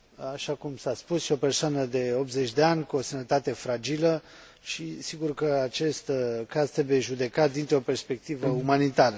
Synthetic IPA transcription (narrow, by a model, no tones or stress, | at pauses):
aʃakumsaspusʃio̞pe̞rsoanəd̪e̞o̞p̚t̪ze̞t͡ʃʲd̪e̞anʲkuo̞sənət̪at̪e̞fɾad͡ʒilə | ʃisiɡurkəat͡ʃe̞st̪kazt̪ɾe̞bujeʒud̪e̞kat̪̚d̪int̪ɾo̞pe̞rspe̞k̚t̪ivəumanit̪aɾə